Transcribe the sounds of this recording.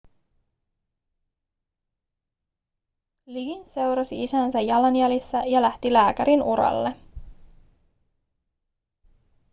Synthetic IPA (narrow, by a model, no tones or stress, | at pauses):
liɡnse̞wɾɑsiisænsæjːɑlɑnjælisːæjɑlæht̪ilæːkæɾinʔuɾɑ̰lːe